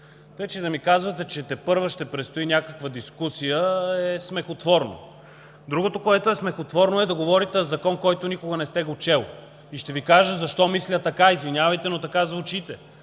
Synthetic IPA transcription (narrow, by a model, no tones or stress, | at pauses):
t̪əjt͡ʃɛd̪ɐmikazvɐt̪ɛt͡ʃɛt̪ɛpɤɾvəʃt̪ɛpɾɛt̪st̪oinʲakəkvəd̪iskusijəɛsmɛxot̪vɔɾno̰ | d̪ɾuɡot̪okoɛt̪oɛsmɛxot̪vɔɾnoɛd̪ɐɡovɔɾit̪ɛzɐkɔnkɔjt̪onikoɡənɛst̪ɛɡot͡ʃɛlˠ | iʃt̪ɛvikaʒəzɐʃt̪ɔmislʲət̪ɐkaizvinʲjavɐjt̪ɛnot̪ɐkazvut͡ʃit̪ɛ